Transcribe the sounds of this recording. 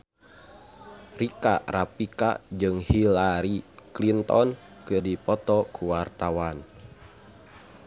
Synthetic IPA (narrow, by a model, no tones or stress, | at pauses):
rikarapika̰d͡ʒɨŋhilaɾiklint̪ɔn | kɨrdipɔt̪ɔkʰuwart̪awan